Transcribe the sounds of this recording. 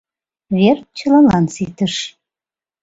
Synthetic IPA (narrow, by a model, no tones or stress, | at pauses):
βert̪̚t͡ɕə̆lɑnlɑnsit̪əʃ